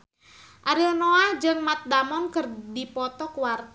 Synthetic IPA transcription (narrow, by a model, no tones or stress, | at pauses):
ʔaɾilnoahd͡ʒɨŋmat̪̚damɔnkɨrdipɔt̪ɔkuwart̪